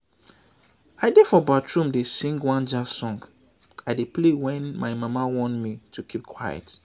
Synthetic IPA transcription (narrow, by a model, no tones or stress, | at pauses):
aɪdefɔbatʰɹũmdesĩŋɡwãnd͡ʒasɔ̃ŋɡ | aɪdeplewɛ̃nmaɪmamawɔ̃ntmitʰukʰip̚kʰwajɛ̰t